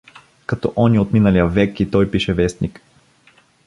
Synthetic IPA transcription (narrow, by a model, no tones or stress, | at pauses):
kɐt̪ɔ̰ʔɔniot̪minɐlijəvɛkit̪ɔjpiʃɛvɛst̪nik